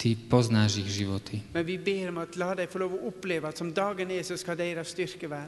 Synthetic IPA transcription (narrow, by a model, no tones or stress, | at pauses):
t̪ipɔznaʒiɣʒiʋɔt̪ʰimɛnʋibeːɾɔmɑt̪lɑːd̪ɛɪfɔloːʋɔʔʊpleːʋɑt̪sɔmd̪ɑːɡənɛsɔskɑd̪ɛɪɾɑʋst̪ʏɾkəʋæːɾ